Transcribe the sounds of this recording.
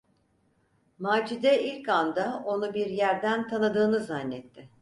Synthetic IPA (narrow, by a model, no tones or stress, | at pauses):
maːd͡ʒid̪ɛilʲcand̪ao̞nubiɾjæɾd̪ænt̪ʰanɯd̪ɯːnɯzanːɛt̪ʰːɪ